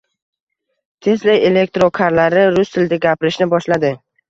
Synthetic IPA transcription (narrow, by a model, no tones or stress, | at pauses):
t̪ʰe̞slaje̞lek̚t̪ɾokʰaɾlaɾɪɾʊst̪ʰɪld̪aɡʲapɪɾɪʃnɪbɒʃlad̪ɪ